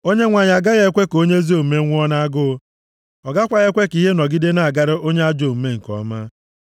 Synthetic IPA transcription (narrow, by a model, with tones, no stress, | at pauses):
o˦ɲe˦ŋʷa˨ɲa˨ɡa˦ɣe˦kʷe˦ko˦ɲe˦zi˦o˦˨m̩˨me˦ŋʷ˦ɔ˦na˦a˦ɡʊ˦ | ɔ˨ɡa˦kʷa˨ɣe˦kʷe˦ki˦ɦe˦nɔ˨ɡi˦de˦na˨a˨ɡa˦ɾɪ˦ʔo˦ɲe˦a˦d͡ʒo˨m̩˨me˦ŋ̩˨kɔ̰˨˦ma˦